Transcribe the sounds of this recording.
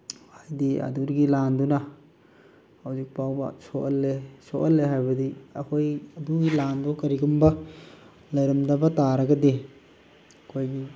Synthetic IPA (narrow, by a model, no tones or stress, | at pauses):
ajdiɐ̰duɾɡilandunɐ | hawzik̚pawbɐ̰soʔɐlːesoʔɐlːeɦajbɐdiɐkʰojɐduɡilanbukɐɾiɡumbɐ | lɐɾɐmdɐbɐtaɾɐɡɐdi | kʰojɡi